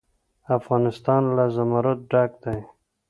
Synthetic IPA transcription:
afɣɑːnɪst̪ɑːnlazamaɾat̪̚ɖaːk̚d̪aj

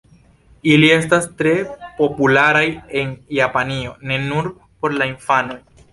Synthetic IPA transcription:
ilie̞stastɾe̞po̞pulaɾaje̞njapanio̞ne̞nuɾ | po̞ɾlainfano̞j

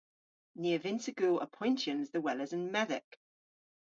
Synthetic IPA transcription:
niːəvɪ̃ntəɡ̥uːlʔə̰pʰɔ̃ɪ̃ntjə̃nzðəwɛləzə̃nmɛðɪ̰k

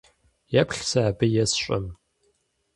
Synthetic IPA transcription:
japɬsaːbɨjɛsɕʷʼɐ̰m

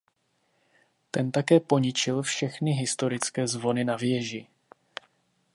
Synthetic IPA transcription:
t̪ɛnt̪akɛːpo̞ɲɪt͡ʃɪlfʃɛxnɪɦɪst̪o̞ɾɪt͡skɛːzvo̞nɪnavjɛʒɪ

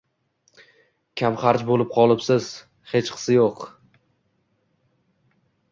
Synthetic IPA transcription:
kʲʰamχaɾt͡ʃbolɪp̚qʰɒlˠɪpsɪz̥ | he̞t͡ʃqʰɨ̥sɪjoq

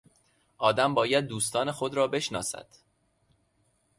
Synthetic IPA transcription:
ʔɒːd̪æmbɒːjæd̪̚ːuːst̪ʰɒːne̞xo̞d̪ɾɒːbe̞ʃnɒ̰ːsæ̰d̪̥

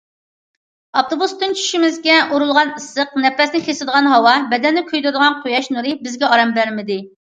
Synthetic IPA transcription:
ɑft̪obust̪ɨnt͡ʃʰy̥ʃimɪzɡʲɛuɾulˠʁɑnəsəqnɛpɾɛsnɪχʰesɨd̪əʁɑnɦɑwɑbɛd̪ɛnːɪkʲʰøjd̪ɨɾd̪əʁɑnqʰojɑʃnuɾɨbɪzɡʲɛɑɾɛmbæɾmɪd̪ɪ

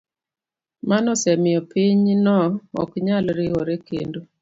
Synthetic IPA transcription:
manɔsɛmɪɔpiɲnɔɔ̰kɲalɾɪoɾekḛndo

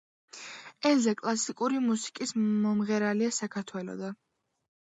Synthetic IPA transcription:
ɛlzɛkʼlˠasikʼuɾimusi̥kʼismɔmʁɛɾaliasakʰaɾt̪ʰwɛlɔ̰d̪a

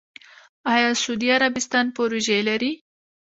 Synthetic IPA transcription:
ɑjɑsud̪iaɾabɪst̪ɑnpoɾoʒelaɾi

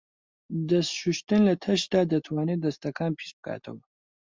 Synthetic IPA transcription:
dɐsʃuʃtʰɨnlɐtʰɐʃd̪aːd̪ɐtʰwaːned̪ɐst̪ʰɐkʰaːmpʰi̥sb̚ka̰ːtʰɐ̰w

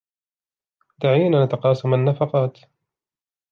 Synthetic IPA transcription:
d̪aʕiːnanat̪ɑqɑːsˤɑmanːafɑqɑːt̪

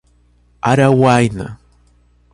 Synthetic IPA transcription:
aɾawajna̰

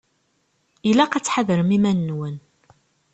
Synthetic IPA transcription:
ilæqat͡sːħaðəɾəmimænːwən

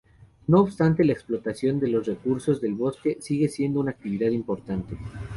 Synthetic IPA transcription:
no̞ːβst̪ant̪e̞laeksplo̞t̪asjo̞nd̪e̞lo̞sre̞kuɾso̞zðe̞lβo̞ske̞siɣesje̞nd̪o̞unaːk̚t̪iβ̞iðaðimpo̞ɾt̪ant̪e̞

